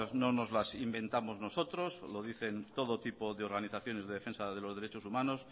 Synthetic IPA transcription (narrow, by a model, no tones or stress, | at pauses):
nono̞zlasimbẽ̞nt̪amo̞zno̞so̞t̪ɾo̞slo̞ðiθe̞nt̪o̞ð̞ot̪ipo̞ðeo̞ɾɣaniθaθjo̞ne̞zðe̞ðe̞fẽ̞nsaðe̞lozðeɾet͡ʃo̞sumãno̞s